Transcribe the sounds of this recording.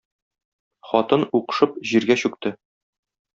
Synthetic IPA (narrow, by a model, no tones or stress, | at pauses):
χɒt̪ɤnuqɤ̥̆ʃɤp̚ʑiɾɡæɕʉk̚t̪ɘ